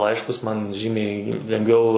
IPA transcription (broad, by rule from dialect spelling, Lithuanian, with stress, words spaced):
ˈlˠɐɪʃkʊs mɐn ˈʒʲiːmʲɛɪ lʲɛŋɡˈʋʲɛʊ